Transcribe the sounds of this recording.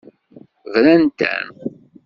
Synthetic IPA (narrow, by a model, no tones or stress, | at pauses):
vlænt̪æ̰n